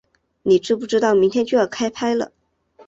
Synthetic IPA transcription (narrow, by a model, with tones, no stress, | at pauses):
ni˨˩ʈ͡ʂɻ̩˥˧pu˥˩ʈ͡ʂɻ̩˥t̪ɑ˥˩ʊmi˧˥ŋt̪ʰjɛ˥nt͡ɕy˥˧jə˨˩kʰa˥ɪpʰa˥ɪlə̰˨